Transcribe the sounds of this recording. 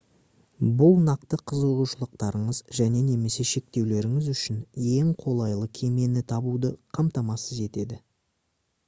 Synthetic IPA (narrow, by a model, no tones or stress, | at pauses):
bʊlˠnɑqt̪əqʰəzuʁuʃəlˠəq̚t̪ɑɾəɴəzʒæne̞ne̞me̞se̞ʃe̞k̚t̪e̞wle̞ɾɪŋɪzʏʃɪnje̞ŋqʰo̞lˠɑjlˠəkʲʰe̞me̞nɪt̪ʰɑbud̪əqʰɑmt̪ɑmɑsəze̞t̪e̞d̪ɪ